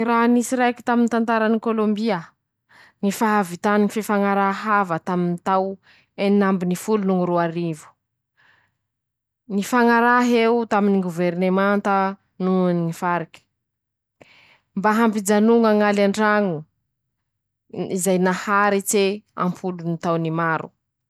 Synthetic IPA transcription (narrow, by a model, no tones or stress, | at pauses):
ɾaɦnisiɾajki̥t̪amint̪ant̪aɾanikolombiə | ŋifaavit̪aninifefaŋaɾaɦavət̪aminit̪aw | eninambinifulunuŋuɾuaɾivu̥ | nifaŋaɾaɦewt̪aminiɡuvernemant̪ə | nuniŋifaɾikʲə̥ | mbaɦampid͡zanuŋəŋalaɳɖ͡ʐaŋu | izajnahaɾit͡sea̰mpʰulunit̪awnimaɾu̥̰